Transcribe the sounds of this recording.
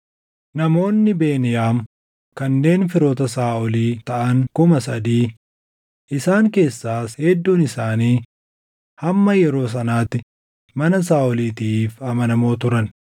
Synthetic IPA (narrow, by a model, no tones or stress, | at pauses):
nɐmo̞ːnːɪbe̞ːnɪjaːm | kɐnːe̞ːnfɪɾoːt̪ɐsaːʔɔliːt̪ɐʔɐŋkʊmɐsɐd̪iː | ʔɪsaːŋke̞ːsːaːshɛd̪ːuːnɪsaːniː | hɐmːɐjɛɾo̞ːs̬ɐnaːt̪ːɪ | mɐnɐs̬aːʔɔliːt̪iːfɐmɐnɐmo̞ːt̪ʊɾɐn